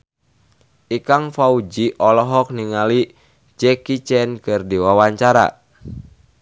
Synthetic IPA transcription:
ʔikaŋfaud͡ʒiʔɔlɔɦɔk̚niŋali | d͡ʒɛkit͡ʃɛnkɨrdiwawaɲt͡ʃaɾa̰

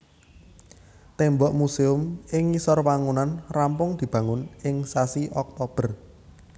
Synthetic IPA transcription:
t̪ɛmbɔʔmuseʊmɪŋisɔrwaŋunanrampʊŋd̪̥i̤b̥ä̤ŋʊnɪŋsasiʔɔk̚t̪ɔb̥ə̤r

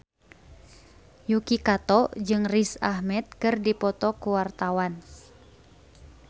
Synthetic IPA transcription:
jukikat̪ɔd͡ʒɨŋrisahmɛt̪̚kɨrdipɔt̪ɔkuwart̪awan

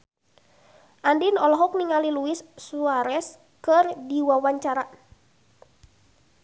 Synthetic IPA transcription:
ʔandinɔlɔɦɔk̚niŋaliluisːuaɾɛs | kərdiwawaɲt͡ʃaɾa

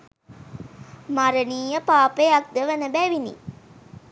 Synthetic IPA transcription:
maɾəniːjəpaːpejak̚d̪əʋənəbæʋinḭ

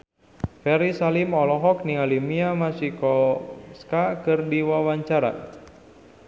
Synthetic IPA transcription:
fɛɾisalimɔlɔɦɔk̚niŋalimiamasikɔskakɨrdiwawaɲt͡ʃaɾa̰

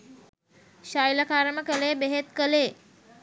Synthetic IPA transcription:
ʃajləkaːɾəməkəleːbeɦet̪kəleː

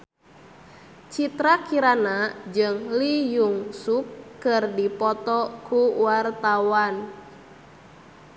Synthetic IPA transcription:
t͡ʃit̪ɾakiɾanad͡ʒɨŋlijuŋsukːɨrdipɔt̪ɔkuwart̪awan

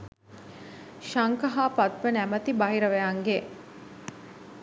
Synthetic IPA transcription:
ʃaŋkɐɦaːpat̪ʋənæmət̪ibɐɦiɾəʋeaŋɡe

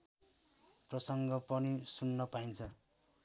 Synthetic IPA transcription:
prʌsʌŋɡʌpʌnisunːʌpaint͡sʰʌ

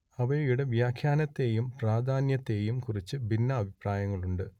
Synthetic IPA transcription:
ɐʋɐjjuɽe̞ʋjaːkʰjaːnɐt̪ːe̞ːjumpraːd̪ʱaːnjɐt̪ːe̞ːjumkurit͡ɕːɨbʱinːɐːbʱipraːjɐŋːɐɭuɳɖɨ

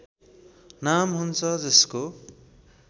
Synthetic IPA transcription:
namɦunt͡sʰʌd͡zʌsko

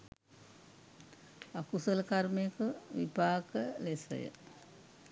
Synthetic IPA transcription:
akusələkaɾmejəkəʋḭpaːkəlesə̰jə̰

